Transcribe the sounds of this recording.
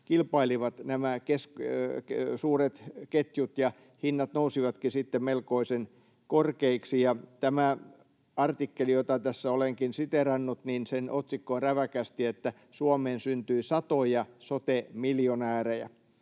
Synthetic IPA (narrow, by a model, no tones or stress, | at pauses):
kilpɑiliʋɑt̪næmækeskksuːret̪ket̪jut̪jɑ | hinːɑt̪nousiʋɑt̪kisit̪ːemmelkoisen | korkeiksijɑt̪æmæ | ɑrt̪ikːelijot̪ɑt̪æsːæoleŋkinsit̪erɑnːut̪ninsenʔot̪sikːoːnræʋækæst̪iet̪ːæ | suɑmeːnsynt̪yisɑt̪ojɑsot̪emiljonæːrejæ̰